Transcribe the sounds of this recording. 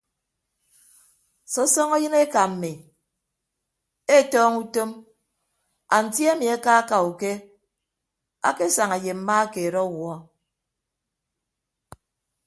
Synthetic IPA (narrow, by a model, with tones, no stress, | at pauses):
sɔ˦sɔ˦ŋɔ˦jɨ˦ne˦ka˨m̩˨mi˨ | e˦˨tɔː˦ŋu˦to˦m | a˨n̩˨tja˦mi˨a˨˦ka˦ka˨u˨ke˦ | a̰˦ke˦sa˨ŋa˨je˨m̩˨˦ma˦a˦ke˨ɾɔ˦wɔ˦